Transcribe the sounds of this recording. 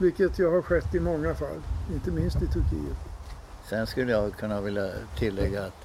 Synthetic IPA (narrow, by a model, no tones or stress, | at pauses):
vɪkːət̪jaːhaɾɧɛt̪ːɪmɔŋːafa̰lːɪnt̪əmɪnst̪ɪt̪ʰɵɾkʰḭːət̪ | sɛnskɵlːəjɑɡkʰɵnːavɪljat̪ʰɪlːɛɡːaːt̪